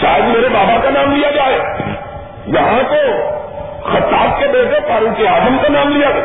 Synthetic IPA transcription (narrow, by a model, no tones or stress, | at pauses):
ʃa̰ːjəd̪meːɾebaːbakanaːmlijad͡ʒaːeː | jɐɦãt̪o | xɐt̪aːbkebeːʈẽpaːɾũkeaːzəmkanaːmlijaa